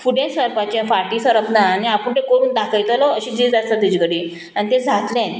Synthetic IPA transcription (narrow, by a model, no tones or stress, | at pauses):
fuɽẽsəɾpat͡ɕẽfaʈiːsəɾəpnaːñiapəɳt̪ekəɾuːnd̪akʰəjt̪əlɔəɕiːd͡ʑiːd͡zast̪at̪id͡ʑikəɽiː | anit̪ed͡zʱat̪lẽn